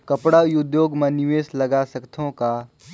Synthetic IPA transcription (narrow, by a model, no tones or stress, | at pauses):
kɐpɽaʊjʊd̪joːɡmẽnɪʋeːslɐɡasɐkt̪ʰõka